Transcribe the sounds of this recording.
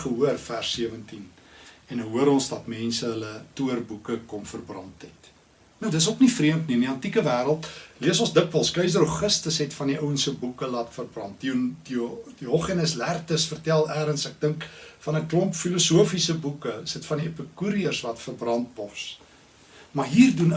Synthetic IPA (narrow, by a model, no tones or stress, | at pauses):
χəɦuərfærsːiəvəntinɛnəɦuəɾɔnsdɐtmɛnsəɦələtuərbukəkɔmfərbrɐntɦɛt | nəwdətəsoknifriəmtniəndiɐntikəvæːɾəlˠtliəsɔnsdəkvəlˠskœɥsdəɾoχəstəsɦɛtfɐndiʔəwənsəbukəlɑtfərbrɐnt̚dididioχinəslærtəsfərtælˠæːɾənsæk̚dəŋkfɐnəklɔmpfilusuəfisəbukəsətfɐndiəpəkuɾiərsvɐtfərbrɐnt̚bɔs | mɐrɦiːrdun